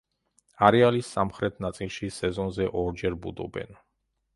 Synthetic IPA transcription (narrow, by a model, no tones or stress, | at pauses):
aɾɛalisːamχɾɛt̪ʰnat̪sʼilˠʃisɛzɔnzɛʔɔɾd͡ʒɛɾbud̪ɔ̰bɛ̰n